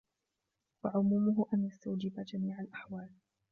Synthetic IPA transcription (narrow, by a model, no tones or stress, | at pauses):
waʕʊmuːmʊɦʊʔanjast̪awd͡ʒɪbad͡ʒamiːʕalʔaħwaːl